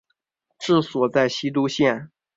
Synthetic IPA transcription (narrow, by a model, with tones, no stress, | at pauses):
ʈ͡ʂɻ̩˥˩swɔ˨˩t͡sa˥˩ɪɕi˥t̪̬u˥ɕjɛ˥˩n